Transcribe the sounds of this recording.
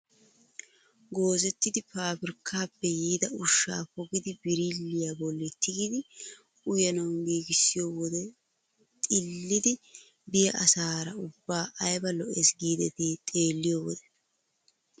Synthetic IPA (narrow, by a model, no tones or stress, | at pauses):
ɡo̞ːzɛt̪ːɪd̪ɪpaːbɪɾɪkʰːaːpːɛjiːd̪ɐʊʃːa̰ːpɔɡɪd̪ɪbɪɾilːɪjabɔlːɛt̪ːɪɡɪd̪ɪ | ʊjɐnɐwnbiːɡɪsːɪjoːwɔd̪ɛ | t̪ʼɪlːɪd̪ɪ | bɪjɐʔɐsaːɾɐʊbːaːʔɐjbɐlɔʔɛsɡiːd̪ɛt̪it̪ʼe̞ːlːɪjoːwɔd̪ɛ̥